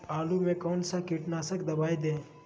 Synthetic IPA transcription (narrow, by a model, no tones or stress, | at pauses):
aːlumẽkɔːnsakɪʈnaːsəkd̪ɐbaːjd̪ẽː